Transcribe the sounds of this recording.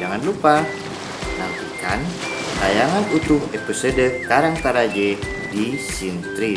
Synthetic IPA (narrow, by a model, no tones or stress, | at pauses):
d͡ʒaŋanlupa | na̰mp̪ika̰n | tajaŋanut̪ʊɦepisodəkaɾaŋt̪aɾad͡ʒɛ | disint̪ɾi